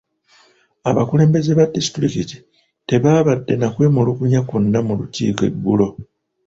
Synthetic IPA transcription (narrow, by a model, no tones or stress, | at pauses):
aβakule̞ːmbeze̞βadisi̥tɾikiti̥ | te̞βaːβadːe̞nakwe̞ːmulukuɲakunːamulucḭːke̞̰bːulo̞